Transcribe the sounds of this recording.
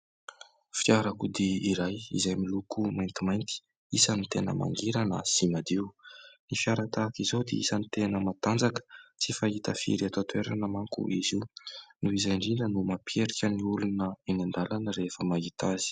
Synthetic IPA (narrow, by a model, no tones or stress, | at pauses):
fiaɾakud̪iiɾajḭzajmilukumajnt̪imajnt̪i̥ | isənit̪enə̰ma̰ŋɡiɾanə̰simad̪iwnifiaɾat̪aːkizod̪ḛḭsanit̪enəmat̪and͡zakə̥t͡sifaɦit̪əfḭɾat̪ot̪ueɾa̰nəmaŋkṵʔiziwnuizajɳɖ͡ʐinənumapieɾikʲəniulunəinand̪alanəɾefəmaɦit̪azi̥